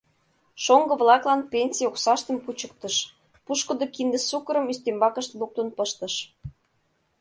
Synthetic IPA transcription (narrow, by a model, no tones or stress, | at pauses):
ʃoŋɡɤ̆βlɑklɑnpʲenʲsʲijoksɑʃt̪ə̆mput͡ɕə̆k̚t̪ə̆ʃ | puʃkə̆d̪okind̪ə̆sukəɾə̆myst̪embɑkə̆ʃt̪luk̚t̪ənpɤʃt̪ə̆ʃ